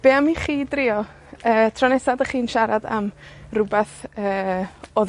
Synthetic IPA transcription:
b̥eamiχiːdrɪɔ | əːtʰrɔnɛsadəχiːnʃaɾada̰mrʊbaθəːɔð

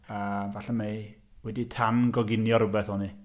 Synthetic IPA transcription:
əmvaɬɛmejwɛditʰanɡɔɡɪnjɔɾʊbɛθɔni

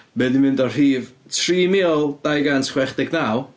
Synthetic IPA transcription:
mɛːðimɪndɔr̥iːvtʰriːmɪlˠd̥ajɡansχwɛχd̥ɪɡnaw

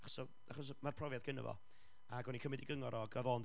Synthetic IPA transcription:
aχɔ̥sɔ | aχɔs̬marpʰrɔvjadɡ̥ənə̰vɔ̰ | aɡɔnikʰəmɛdiɡəŋɔɾɔɡavɔːnd

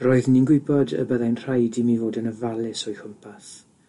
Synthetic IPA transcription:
roːɨðninɡwɪbɔdə̰bəðajnr̥ajdimivoːdənəvalˠɪsɔjxʊmpʰaθ

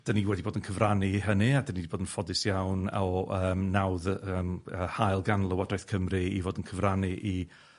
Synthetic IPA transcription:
d̥əniwɛdiboːdənkʰəvraniiɦənɨadənidiboːdənfɔdɪsjawnɔəːmːawðəməːhajlˠɡanlˠəwadɔjθkʰəmrɨḭvoːdənkʰəvraniʔi

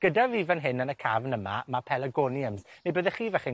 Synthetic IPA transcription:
ɡ̥ədaviːvanɦɪnənəkʰavnəma̰mapʰɛlˠəɡɔnjəmsnejbəðɛχiːvɛχi

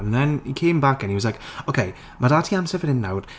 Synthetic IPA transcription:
ənðɛnikʰeːmbakə̃nhiwɔzlaɪkokʰej | madatʰiamsɛvənɪnːawd̥

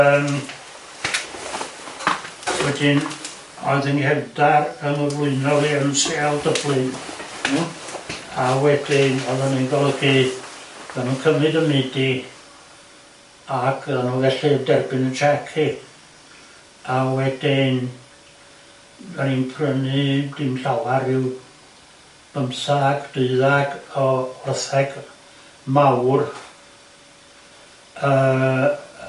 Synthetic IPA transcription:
əːm | wɛdɪn | ɔɨðənkʰɛvdarənəvlˠʊɨnɔlˠiəmsealˠdəblˠɨn | awɛdɪnɔðaninɡɔlˠəɡi̥ | əðanunkʰəmɨdəmɪdi | akʰəðanunvɛɬidɛrbɪnənt͡ʃʰɛkʰi | awɛdin | aninpʰrənɨd̥ɪmɬawaɾɪw | b̥əmsaɡd̥ʊɨðaɡ̥ɔɔrθɛɡ̥ | mawr | əː

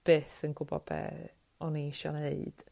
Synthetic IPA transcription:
b̥ɨːθənɡʊbɔ̰b̥ɛ̰ː | ɔniiʃɔ̰neɨd̥

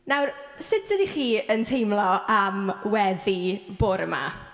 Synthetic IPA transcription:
nawrsɪtədiχiːəntʰejmlˠɔamwɛðib̥oːɾəma̰

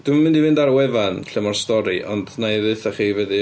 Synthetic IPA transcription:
d̥wɪmamɪ̃ndivɨndaɾwɛvanɬəmɔrstɔɾiʔɔndnaðɨθaχiːvɛdɨ

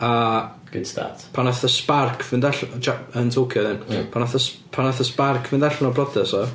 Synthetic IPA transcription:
a | ɡ̥ɪnsta̰tpʰanaθəsparkʰvɪndaɬt͡ʃaəntʰowkʰjɔðɪnpʰanaθəspʰanaθəsparkʰvɪndaɬnɔbrɔdɛsɔ

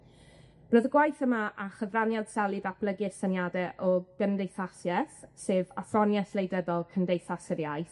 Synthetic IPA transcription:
roːðəɡwajθəmaʔaχəvranjad̥sɛlˠɨðab̥lˠəɡɨsanjadɛʔɔɡ̥əndejθasjɛθseːvafrɔnjɛslejdɛðɔlˠkʰəndejθasɪɾjajθ

